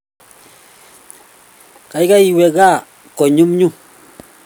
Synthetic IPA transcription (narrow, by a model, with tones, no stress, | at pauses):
ka˨jka˦i˨wɛ˨ɡa˦˨ | kɔ˨ɲu˦mɲu˦